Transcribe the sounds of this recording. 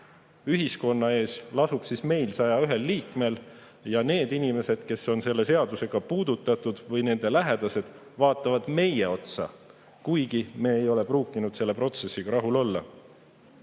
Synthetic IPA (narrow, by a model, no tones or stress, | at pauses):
yɦisko̞nːɑe̞ːslɑsub̥sisme̞jlsɑjɑyɦe̞lːiːkme̞l | jɑne̞ːd̪inime̞se̞d̪̥ke̞so̞nse̞lːe̞se̞ɑd̪use̞ɡ̥ɑpuːd̪̥ut̪ːˑɑt̪ːˑud̪̥vɤjne̞nd̪̥e̞læɦe̞d̪ɑse̞d̪̥ | vɑːt̪ːˑɑvɑd̪̥me̞jeo̞t̪sɑ̰ | kujɡ̥ime̞ːjo̞le̞pruːkːˑinud̪se̞lːe̞pro̞t̪se̞sːiɡ̥ɑɾɑɦulo̞lːɑ̰